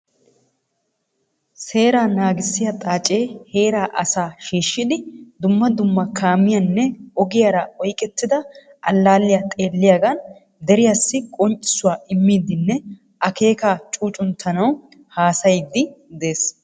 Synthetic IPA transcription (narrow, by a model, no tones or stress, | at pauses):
se̞ːɾaːnaːɡɪsːɪjɐt̪ʼaːt͡ʃʼe̞ːhe̞ːɾaːʔɐsaːʃiːʃːɪd̪ɪd̪ʊmːɐd̪ʊmːɐkʰaːmɪjɐnːɛɔɡɪjaɾɐɔjkʼɛt̪ːɪd̪ɐ | ʔɐlːaːlːɪjat̪ʼe̞ːlːɪjaːɡɐn | d̪ɛɾɪjasːɪkʼɔnt͡ʃʼːɪ̥sʊwaːʔɪmːiːd̪ɪnːɛ | ʔɐke̞ːkaːt͡ʃʼuːt͡ʃʼʊnt̪ʰːɐnɐw | haːsɐjɪd̪ːɪd̪e̞ːs